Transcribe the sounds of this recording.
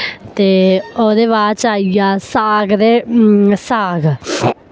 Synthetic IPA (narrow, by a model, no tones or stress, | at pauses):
t̪eːoːd̪eːʋaːdt͡ʃaːiɡaːsaːɡd̪eːsaːɡ